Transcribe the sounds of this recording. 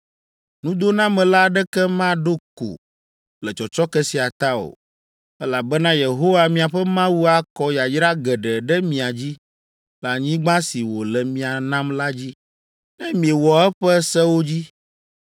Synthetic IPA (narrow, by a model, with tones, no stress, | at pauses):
nũ˦d̪o˦nã˦mɛ̃˨la˦ɖɛ˦kɛ˦mã˦ɖo˦ko̰˨ | lɛ˨t͡ʃɔ˨t͡ʃɔ˦kɛ˦si˨a˨t̪a˦o̰˨ | ɛ˦la˨bɛ˦nã˦je˨ɦo˦wa˨mĩ˨a˨ɸɛ˦mã˦wu˦a˦kɔ˦ja˨jɾa˦ɡɛ˨ɖɛ˨ɖɛ˦mĩ˨a˨d͡ʑi˦ | la˨ɲĩ˦ɡ͡bã˦si˨wo˨lɛ˨mĩ˨a˨nã˦mla˦d͡ʑi˦ | nɛ̃˦mĩ˨e˨wɔ˨ɛ˦ɸɛ˦sɛ˦wo˦d͡ʑi˦